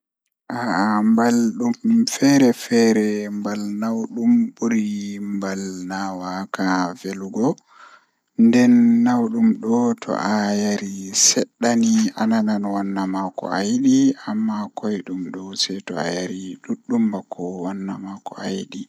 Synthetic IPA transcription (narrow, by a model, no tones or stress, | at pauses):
ʔaambalɗumfɛɾɛfɛɾɛmbalnawɗumbuɾimbalnawakaveluɡɔ | ndɛnːawɗumɗɔtʰɔ̰ʔajaɾisɛɗːanianananwanːamakɔ̰ajɗiamːakojɗumɗɔsɛjtɔ̰a̰jaɾiɗuɗːumbakʰːɔwanːamakɔ̰ajɗi